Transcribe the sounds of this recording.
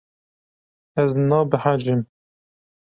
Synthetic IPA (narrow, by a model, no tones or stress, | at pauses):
ɛznɑːbɨħad͡ʒɪm